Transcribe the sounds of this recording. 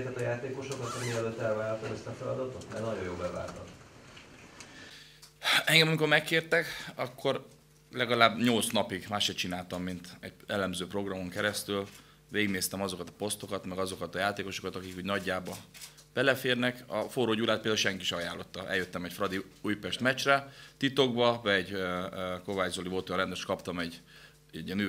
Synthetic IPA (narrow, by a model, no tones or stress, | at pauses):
t̪ɛt̪ɒjaːt̪eːko̞ʃo̞kɒt̪ɒmiɾɛløːt̪ːɛlvaːɾɒt̪ɒmɛst̪ɒfɛlɒd̪ɒt̪o̞t̪nɛɾnɒɟojoːbɛva̰ːlt̪ɒ̰m | ɛŋɡɛmɒmiko̞rmɛkːeːrt̪ɛkɒkːo̞r | lɛɡɒlaːbɲo̞lt̪snɒpiɡmaːʃʃɛt͡ʃinaːlt̪ɒmːint̪ɛ̰ɟɛlɛmzøːpro̞ɡrɒmo̞ŋkɛɾɛst̪yl | veːɡneːst̪ɛmɒzo̞kɒt̪ɒ̥po̞st̪o̞kɒt̪mɛɡɒzo̞kɒt̪ɒjaːt̪eːko̞ʃo̞kɒt̪ɒkikuːɟnɒɟːaːbɒ | b̥ɛlɛfeːrnɛkɒ̰foɾoːɟuːlaːt̪̚peld̪auʃɛŋkiʃɛɒjaːlːo̞t̪ːɒʔɛ̰ljøt̪ːɛmɛcfrɒd̪iujpɛʃt̪mɛt͡ʃrɛt̪it̪o̞ɡ̚bɒvɛɛɟøko̞vaːɟzoliot̪oɔrɛnd̪øʃkɒpt̪ɒmɛɟ | iɛny